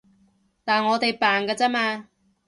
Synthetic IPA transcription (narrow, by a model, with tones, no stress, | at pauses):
t̪aː˨nŋɔː˨˧t̪e˨jpaː˨˩nkaː˧t͡sa˥maː˧